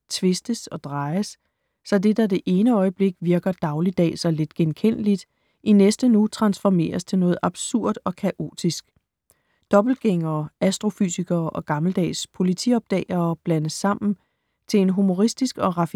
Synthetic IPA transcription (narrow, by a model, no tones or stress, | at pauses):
t͡sʰʋe̝sd̥əsɒ̽d̥ʁɑ̈ɪɐsː | ɒ̽de̝dɑ̈d̥e̝ʔe̝ːnəɒ̽ɪəb̥le̝ɡ̥ʋiɐɡ̥ɐd̥ɑ̈ʊlid̥ɛ̰ːsɒ̽le̝d̥ɡ̥enkʰen̰əlid̥ | ʔinesd̥ənut͡sʰʁɑ̈nsfɒme̝̰ːɐst͡sʰe̝nɔ̽ːð̞̩ˠʔɑ̈b̥suɐ̰d̥ɒ̽kʰæʔo̝̰ːd̥isɡ̥ | d̥ɒ̽b̥l̩̚ɡ̥eŋɐːæsd̥ʁo̝fy̰siɡ̥ɐːʔɒ̽ɡ̥ɑ̈ml̩d̥ɛ̰ːspʰo̝lit͡sʰḭɒ̽b̥̚d̥ɛ̰ːɐːb̥lænəsːɑ̈m̰n̩ | t͡sʰe̝e̝nɦumo̝ʁisd̥isɡ̥ɒ̽ʁɑ̈f